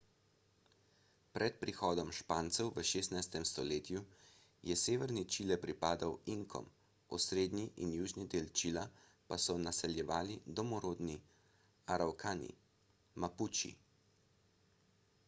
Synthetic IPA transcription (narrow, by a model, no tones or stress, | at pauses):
pɾʔɛt̪̚pɾixɔːd̪ɔmʃpaːnt̪sɛwʋəʃeːst̪najst̪ɛmst̪ɔleːt̪ju | jɛseːʋəɾnit͡ʃiːlɛpɾipaːd̪awiŋkʰɔ̰m | ṵsɾeːd̪nʲiʔinjuːʒnid̪eːlt͡ʃiːla | pasɔnasɛljɛʋaːlid̪ɔmɔɾoːd̪ni | aɾawkʰaːnḭ | maput͡ʃḭ